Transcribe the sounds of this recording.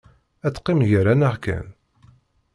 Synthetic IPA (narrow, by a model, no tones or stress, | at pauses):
æt͡sːqːɪmʝəɾænaʁkæ̰n